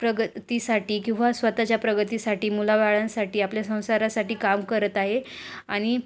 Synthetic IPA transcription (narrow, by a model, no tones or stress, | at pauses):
pɾəɡət̪iːsaʈiːkĩw̃ʋasʋət̪at͡ɕjapɾəɡət̪isaʈiːmulaʋaɭãsaʈiːapljasə̃w̃saɾasaʈiːkamkəɾət̪aɦeaɽ̃i